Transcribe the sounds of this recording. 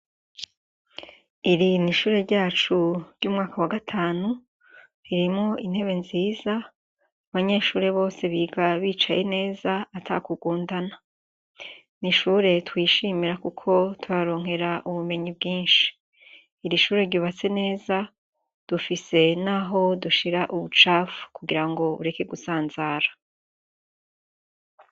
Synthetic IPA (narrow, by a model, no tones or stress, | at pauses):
iɾiniʃuːɾe̞ɾɟaːt͡ʃuɾɟuːmŋaːkawaɡatʰaːnu | hiɾimŋo̞in̥he̞βe̞nziːzaː | βaɲeʃuːɾe̞βo̞ːse̞βiɡaβiːt͡ʃaje̞ne̞ːzaatʰa̰kuɡuːndana | niʃuːɾe̞twiːʃiːmiɾakukʰo̞tʰuɾaɾo̞ːŋɦe̞ɾaʔuβume̞ɲibɡiːnʃi̥ː | ɾiʃuːɾe̞ɾɟuβat͡se̞ne̞ːza | d̥ufise̞naɦo̞duʃiɾaʔuβut͡ʃafkuɡiɾaŋɡo̞ṵɾe̞ke̞ɡusaːnzaːɾa